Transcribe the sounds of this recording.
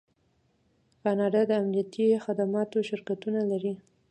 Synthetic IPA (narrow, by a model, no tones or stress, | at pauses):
kɑnɑɖad̪əamnijat̪ixad̪amɑt̪oʃɪɾkat̪unalaɾi